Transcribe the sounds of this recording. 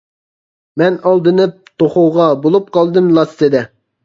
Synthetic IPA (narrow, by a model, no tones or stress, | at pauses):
mɛnɑlˠd̪ɨnɨp̚t̪ʰoχowʁɑbolˠup̚qɑlˠd̪ɨmlˠɑst̪ɨd̪ɛ